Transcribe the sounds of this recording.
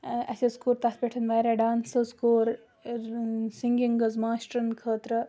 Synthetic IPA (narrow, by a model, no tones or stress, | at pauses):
ɐ̰sʲɐskuːɾt̪ɐt̪pʲeʈʰɐnʋɐːjɾeɖaːnsɐskoːɾ | siŋɡiŋɡɐzmaːsʈɾɐnkʰəːt̪ɾɐ